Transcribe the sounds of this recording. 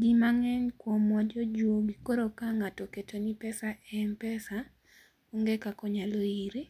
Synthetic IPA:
ɡimaŋɛɲkwɔmɔd͡ʒɔd͡ʒwoɡikoɾokaŋatɔketonipɛsaɛmpɛsa | uŋɡekakɔɲaloiɾi

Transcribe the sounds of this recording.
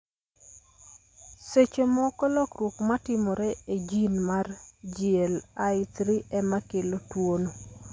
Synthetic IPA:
set͡ʃemɔkɔlɔkɾwokmatɪmɔɾɛed͡ʒinmard͡ʒiɛlaɪt̪ɾiɛmakelotwono

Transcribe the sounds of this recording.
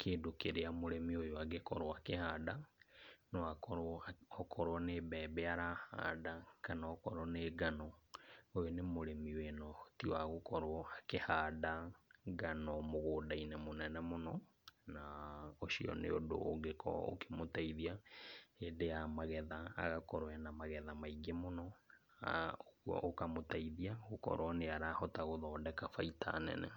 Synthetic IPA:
kʰeːdokeɾeamoɾemiojoaɡekɔɾoakehada | nɔakɔɾɔkʰɔɾwɔnebɛbɛaɾaha̰ːdakanaɔkɔɾɔneːɡanɔojonemoɾemiwenɔtiwaɣokɔɾwɔakehadaɡanɔmoɣoːdainemonɛnɛmonɔ | naoʃiɔ̰nḛodo̰ːɡekʰɔ̰o̰ke̥motaiðiaedejamaɣɛðaa̰ɣakɔɾwɛnamaɣɛðamaiɡemonɔ | oɣuɔ̰ʔokamotaiðiaɣokɔ̰ɾwɔneaɾahɔtaɣoðɔːdɛkafaitʰa̰nɛ̰nɛ̰

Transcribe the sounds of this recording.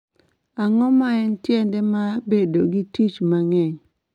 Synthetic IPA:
aŋɔmaɛntjɛndɛmabedoɡitit͡ʃmaŋɛɲ

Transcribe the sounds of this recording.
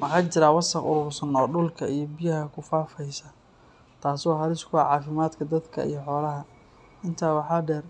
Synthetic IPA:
mɑħɑːt͡ʃɪɾaːwɐsɐqʊ̰ɾʊːrsɐnɔːɖʊlkʰɐijɞbijɐɦɐkʰʊfaːfɛjsɐ | t̪ʰaːsɔːɦɐɾɪskʰʊaʕɑːfɪmaːd̪kʰɐd̪ɐd̪kʰɐ̰ḭjɞħɔːlɐɦɐ | ɪnt̪ʰaːwɑħɑːɖɛːr

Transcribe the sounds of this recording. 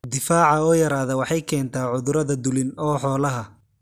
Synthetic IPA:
d̪ɪfaːʕɑɔːjɐɾaːðɔwɑħɑjkʰɛːnt̪ʰaːʕʊðʊɾɐðɐd̪ʊlɪnɔːħɔːlɐɦɐ

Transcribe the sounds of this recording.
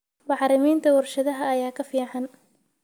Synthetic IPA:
mɑħɾɪmiːnt̪ʰɐwʊrʃɐðɐɦɐːjaːkʰɐfiːʕɑn

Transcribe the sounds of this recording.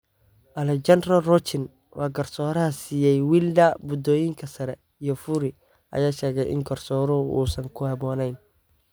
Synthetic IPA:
ʔɐlɛt͡ʃɐnd̪rɐlrɔt͡ʃɪn | wʔɑːɡɐrsɔːɾɐɦɐsiːjɛjwiːldɐbʊd̪ɔːjɪŋkʰɐsɐɾɛ | ijɔfʊɾɪ | ʔɐ̰jaːʃɛːɣɛjʔɪ̰ŋɡɐrsɔːɾɔṵːsɐŋkʰʊhɑβɔːnɛjn

